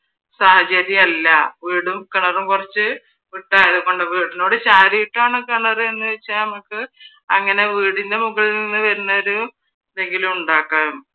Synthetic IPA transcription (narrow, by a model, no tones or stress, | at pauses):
sahɐd͡ʑɐɾjɐɐlːɐʋiːɽumkɐɳɐrumkurɐt͡ɕːɨ | ʋiʈːaːjɐðuɣo̞ɳɖɨʋiːɽino̞ːɽɨt͡ɕaːɾiiʈːaːɳɨkɐɳɐrɨe̞nːɨʋet͡ɕːanɐmukːɨ | ɐŋːɐne̞ʋiːɽind̪emuɣɐɭilninːɨʋɐɾunːɐoɾu | nd̪eŋɡilumuɳɖaːkːaːm